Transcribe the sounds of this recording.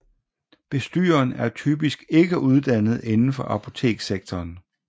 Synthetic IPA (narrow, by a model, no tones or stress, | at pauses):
b̥e̝sd̥y̰ːɐnæɐt͡sʰyːb̥isɡ̥e̝ɡ̥əʔuð̞ˠd̥æn̰ð̞̩ˠe̝nn̩fɒ̽ʔæpʰo̝t͡sʰe̝̰ːɡ̥seɡ̥̚t͡sʰɒːn